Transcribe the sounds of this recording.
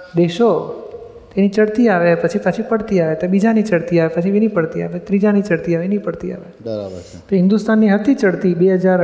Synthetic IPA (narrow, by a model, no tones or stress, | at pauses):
d̪eʃo | t̪enit͡ʃəɽt̪iaʋepət͡ʃʰipət͡ʃʰipəɽt̪iaʋet̪ebid͡ʒanit͡ʃəɽt̪iaʋepət͡ʃʰiʋinipəɽt̪ia̰ʋet̪ɾid͡ʒanit͡ʃəɽt̪iaʋeenipəɽt̪ia̰ʋebəɾa̰bə̰ɾ | t̪oɦɪ̃nd̪ust̪anːiɦət̪it͡ʃəɽt̪ibeɦəd͡ʒaɾ